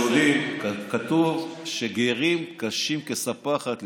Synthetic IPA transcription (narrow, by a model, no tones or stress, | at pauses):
olimkat̪uvʃeɡeʁimkaʃimkesapaχat̪